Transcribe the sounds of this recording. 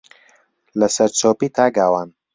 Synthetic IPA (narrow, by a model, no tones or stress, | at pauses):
lɐsɐɾt͡sʰoːpiːt̪ʰaːɡaːwaːn